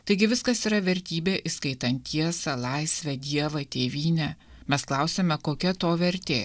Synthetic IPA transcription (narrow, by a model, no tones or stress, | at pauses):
t̪ɐɪɡʲɪʋʲɪskɐsiːɾɐʋʲɛɾʲt̪ʲiːbʲeːʔiskɐɪt̪ɐnʲt̪ʲːiɛsɐlˠɐɪsʲʋʲɛd̪ʲiɛʋɐt̪ʲeːʋʲiːnʲɛ | mʲɛsklˠɑˑʊsʲemʲɛkoːkʲɛt̪oːʋʲɛɾʲt̪ʲeː